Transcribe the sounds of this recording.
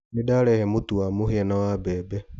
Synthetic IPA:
nedaːɾɛhɛmotuwamoheɛnawabɛːbɛ

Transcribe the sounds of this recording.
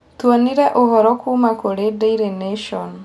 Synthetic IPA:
t̪uaniɾɛʔoɦɔɾɔkʰumakoɽedeiɾeneʃɔn

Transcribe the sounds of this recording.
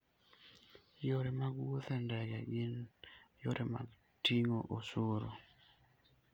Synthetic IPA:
joɾemaɡwot̪ɛndɛɡɛʔinjoɾʔema̰ɡ | tiŋoʔosoɾo

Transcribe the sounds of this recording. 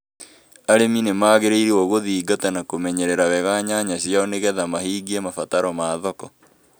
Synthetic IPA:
aɾeminemaːɣeɾeiɾiɔɣoðiːɡatanakomɛɲɛɾeɾawɛɣaɲaɲaɕjaɔneɣɛðamaɦiːɡiɛmafataɾɔmaːðɔkɔ

